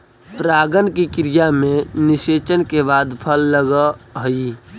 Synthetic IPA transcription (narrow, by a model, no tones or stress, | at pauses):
pɾaːɡənkikɾijamẽnɪseːt͡ʃənkebaːd̪pʰəlːəɡəɦəi